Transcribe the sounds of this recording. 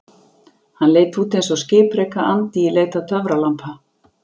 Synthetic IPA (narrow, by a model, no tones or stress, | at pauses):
hanleːjt̪uːt̪ejns̬ɔscɪːpɾɛkaʔant̪iileːjt̪at̪ʰœvɾalampʰa